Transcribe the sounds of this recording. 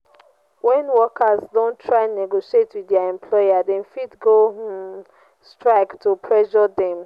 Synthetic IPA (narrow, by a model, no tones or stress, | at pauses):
wɛ̃nwɔkazdõntʰɹaɪ̃nːeɡoʃietwiðaɛ̃mpʰlɔjadɛ̃nfidɡo | stɹaɪktʰupʰɹɛʃɔdɛ̃m